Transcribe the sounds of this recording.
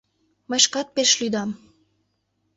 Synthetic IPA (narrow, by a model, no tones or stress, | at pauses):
məjʃkɑt̪̚peʃlyd̪ɑm